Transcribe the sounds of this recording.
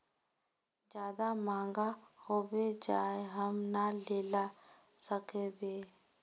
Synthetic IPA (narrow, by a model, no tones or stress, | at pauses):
d͡ʒjaːd̪amãːŋɡahoːbed͡ʒaːeɦəmnaleːla | səkẽbeː